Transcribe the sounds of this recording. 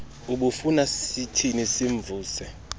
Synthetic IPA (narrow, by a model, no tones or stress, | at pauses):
uɓufunasitʰinisiɱb̪vʱuːsɛ